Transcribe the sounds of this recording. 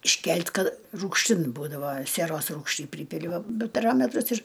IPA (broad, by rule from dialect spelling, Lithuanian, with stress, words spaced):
ɪʃʲˈkʲɛlʲtʲ ˈkɐt ruːkʃʲˈtʲɪn ˈbuːdɐʋɐ sʲiɛˈroːs ˈruːkʃʲtʲiː ˈpʲrʲiːpʲɪlʲɪ ˈʋɐ bʲɪ pɐˈrɑːmʲɛtrʊs ɪr